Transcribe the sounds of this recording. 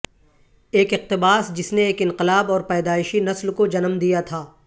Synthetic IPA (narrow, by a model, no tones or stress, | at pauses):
eːkɪq̚t̪ɪbaːsd͡ʒɪsneeːkɪ̃nqɪlaːbɔːɾpɛːd̪aːɪʃinɐslkod͡ʒɐnəmd̪ijat̪ʰaː